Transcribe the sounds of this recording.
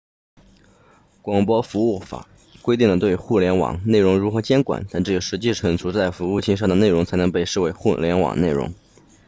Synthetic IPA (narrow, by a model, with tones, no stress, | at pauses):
kwɑ˨˩ŋpwɔ˥fu˧˥u˥˩fa̰˨˩˦ | kwe˥ɪt̪i˥˩ŋlə˩t̪we˥˧ɪxu˥˩ljɛ˧˥nwɑ̰˨˩ŋne˥˩ɻʊ˧˥ŋɻu˧˥xɤ˧˥t͡ɕjɛ˥nkwa̰˨˩˦nt̪a˥˧nʈ͡ʂɤ˥˩jɛ˨˩ʊʂɻ̩˧˥t͡ɕi˥˧ʂɻ̩˥˩xə˨˩nt͡sʰu˧˥t͡sa˥˩ɪfu˧˥u˥˩t͡ɕʰi˥˧ŋʂ̬ɑ˥˩ŋd̪ə˩ne˥˩ɪɻʊ˧˥ŋt͡sʰɪnɤ˧˥ŋpe˥˧ɪʂɻ̩˥˩we˧˥ɪxu˥˩ljɛ˧˥nwɑ̰˨˩ŋne˥˩ɪɻʊ̰˧˥ŋ